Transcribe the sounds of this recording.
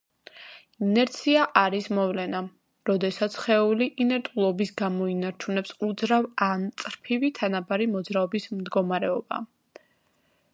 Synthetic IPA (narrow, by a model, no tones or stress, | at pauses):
inɛɾt̪sʰiaʔaɾismɔvlɛna | ɾɔd̪ɛsat̪sʰχɛuliʔinɛɾt̪ʼulˠɔbisɡamɔinaɾt͡ʃʰunɛpsud̪zɾavant̪sʼɾpʰivit̪ʰanabaɾimɔd̪zɾaɔbismd̪ɡɔmaɾɛɔba̰